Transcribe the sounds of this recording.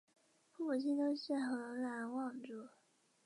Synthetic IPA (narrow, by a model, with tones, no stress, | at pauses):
fu˥˩˨t͡ɕi˥nt̪o˥ɕɛ˥˩xɤ˧˥la˧˥nwɑ˥˧ŋʈ͡ʂu˥˩